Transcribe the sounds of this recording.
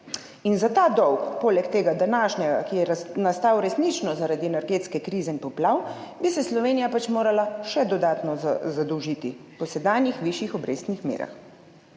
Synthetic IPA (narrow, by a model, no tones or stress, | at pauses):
inzat̪aːd̪ɔwkpoːlɛkt̪eːɡad̪anaːʃɲʲɛɡa̰kijɛnast̪aːwɾɛsniːt͡ʃnɔzaɾad̪iɛnɛɾɡeːt̪skɛkɾiːzɛinpɔplaw | bisɛslɔʋeːnijapat͡ʃmoːɾalaʃɛd̪ɔd̪aːt̪nɔzad̪ɔwʒit̪i | pɔsɛd̪aːnjixʋiːʃjixɔbɾeːst̪nixmḛːɾa̰x